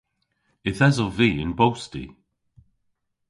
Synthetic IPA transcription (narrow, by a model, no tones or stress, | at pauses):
ɪθɛzɔviːɪnbowstḭ